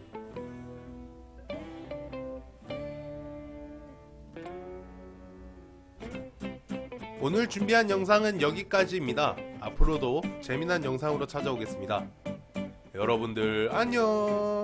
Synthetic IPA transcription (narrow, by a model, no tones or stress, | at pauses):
onɯɭt͡ɕumbiɦanjʌŋs̬ʰaŋɯnjʌɡik͈ad͡ʑimɲidaa̰pʰɯɾodot͡ɕe̞minɦanjʌŋs̬ʰaŋɯɾot͡ɕʰad͡ʑaboɡe̞s͈ɯmɲida | jʌɾʌbundɯɾaɲo